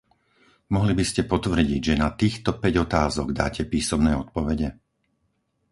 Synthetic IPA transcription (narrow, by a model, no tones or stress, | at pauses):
mɔɦlibiscɛpɔt̪ʋr̩ɟiɟʒɛnat̪iːxt̪ɔpɛɟɔt̪aːzɔɡd̪a̰ːcɛpiːsɔmnɛːɔt̪̚pɔʋɛɟɛ